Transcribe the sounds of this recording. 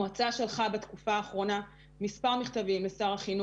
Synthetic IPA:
at͡saʃelχabet̪kufaːχʁo̞na | mispaʁmiχt̪avimesaʁaχinu

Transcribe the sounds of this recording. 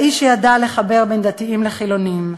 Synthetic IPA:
ʔiʃejadale̞χabe̞ʁbend̪at̪iimleχilo̞nim

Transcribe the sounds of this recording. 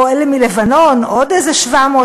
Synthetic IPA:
oelemilevano̞nʔod̪ezeʃvamoː

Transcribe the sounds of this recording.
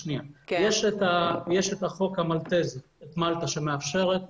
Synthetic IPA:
niajeʃetajeʃet̪aχo̞khamalt̪eze | et̪malt̪aʃemeafʃe̞ʁet̪

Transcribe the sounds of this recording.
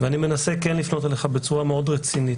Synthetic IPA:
veanime̞nasekenlifno̞t̪aleχabe̞t͡suʁameo̞dʁet͡sinit

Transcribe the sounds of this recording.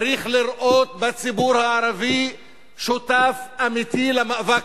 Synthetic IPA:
ɾiχliɾʔot̪̚bat͡sibuɾhaaɾavi | ʃot̪afamit̪ilemavak

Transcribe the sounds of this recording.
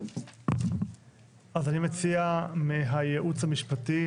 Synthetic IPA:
ʔazanimet͡siamiɦajeʔut͡shamiʃpati

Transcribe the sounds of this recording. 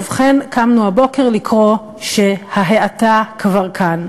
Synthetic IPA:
vχenkamnuhabo̞ke̞ʁlikʁo̞ | ʃe̞haɦeatakvaʁkʰan

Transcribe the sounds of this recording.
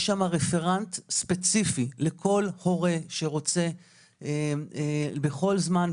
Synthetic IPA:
ʃamaʁefeʁant̪spet͡sifilekʰo̞lho̞ʁe̞ʃeʁo̞t͡se̞ | beχo̞lzman

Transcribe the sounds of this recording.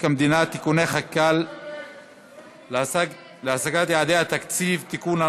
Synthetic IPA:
kamd̪inat̪ːikuneχakal | leasaɡat̪jaʕad̪ehat̪akt͡sivt̪ikuna

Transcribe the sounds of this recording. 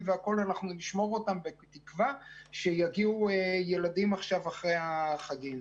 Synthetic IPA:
veako̞lanaχnuniʃmo̞ʁotambet̪ikvaʃe̞jaɡiuejeladimaχʃavaχʁejaχaɡim

